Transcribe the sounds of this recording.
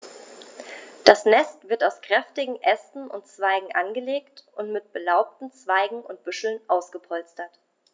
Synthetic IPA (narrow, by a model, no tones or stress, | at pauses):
d̥asnɛstv̥ɪɐtaʊskʁ̥ɛftɪɡŋ̩ʔɛstn̩ʊ̰ntt͡sv̥aɪɡŋ̩ʔanɡəleːktʔʊntmɪt̚b̥əlaʊp̚tn̩t͡sv̥aɪɡŋ̩ʊnt̚b̥ʏʃl̩nʔaʊsɡ̥əpʰɔlt͡stɐt